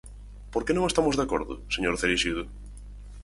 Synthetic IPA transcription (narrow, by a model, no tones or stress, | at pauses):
poɾkenõŋest̪amozðeakoɾðʊ̰seɲoɾθeɾiʃiðʊ